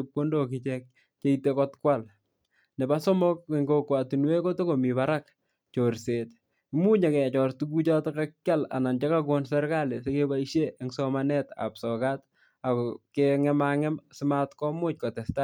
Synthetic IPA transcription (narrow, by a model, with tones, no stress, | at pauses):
p̚ko˦ndo˨kɪt͡ʃɛk̚ | t͡ʃe˦itekɔtkwal | ne˨basɔ˦mɔ˦kiŋɡokwa˨tu˨nwe˦ko˦to˦ko˨mi˨βaɾak | t͡ʃoɾset | imu˦ɲa˨kɛ˨t͡ʃɔ˨rtuku˦t͡ʃatɔ˦kakːja˦la̰˨na˨nt͡ʃe˦kakɔnsɛ˦ɾkale˨seke˦baiʃje˦ʔeŋsɔmanɛ˦ta̰psɔ˨kat | a˨kɔkeŋɛmaŋɛ˦msɪma˦tkɔmʊ˦t͡ʃ̚kɔ˨tɛ˨sta